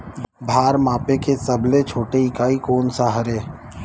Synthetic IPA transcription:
bʱaːɾmaːpekesɐblet͡ʃʰoːʈeɪkaːikoːnsaɦəɾeː

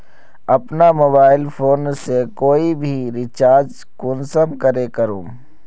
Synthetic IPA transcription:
ɐpnamoːbaːɪlpʰoːnsekoːibʱiɾɪt͡ʃaːɾd͡ʒ | kʊnsəmkəɾekəɾũː

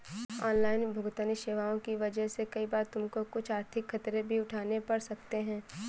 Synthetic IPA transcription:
ɔːnlaːɪnbʱʊɡt̪əniʃeːʋaːõkiʋɐd͡ʒəɦsekɐibaːɾt̪ʊmkokʊt͡ʃʰaːɾt̪ʰɪkxɐt̪ɾebʱiʊʈʰaːnepɐɽsɐkt̪eɦɛ̃ː

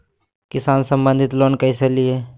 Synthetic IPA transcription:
kɪsaːnsəmbə̃nd̪ʱit̪loːnkəiselie

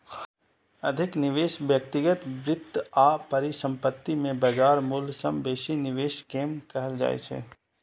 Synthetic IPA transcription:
ɐd̪ʱɪknɪʋeːʃʋjəkt̪ɪɡət̪ʋɾɪt̪ːaːpɐɾisə̃mpət̪ːimẽbɐd͡ʒaːɾmulsɐmbeːʃinɪʋeːʃkeːmkɐɦəld͡ʒa̰ːḛt͡ʃʰḛː

